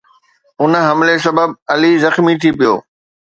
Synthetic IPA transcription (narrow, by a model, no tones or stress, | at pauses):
ʊnɦɐmles̬ɐbəb̚ɐlizɐxmit̪ʰipijo̰ː